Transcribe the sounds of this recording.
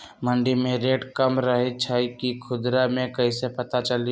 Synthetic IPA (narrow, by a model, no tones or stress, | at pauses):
mɐ̃ɳɖimẽɾeːʈkɐmɾɐɦet͡ʃʰaːikikʰʊd̪ɾamẽkɐisepɐt̪at͡ʃɐli